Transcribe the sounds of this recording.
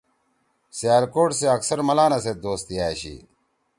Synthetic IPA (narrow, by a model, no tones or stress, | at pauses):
sjaːɾkoːʈseɐksɐɾmɐlaːnɐsed̪oːst̪ijaːɕḭː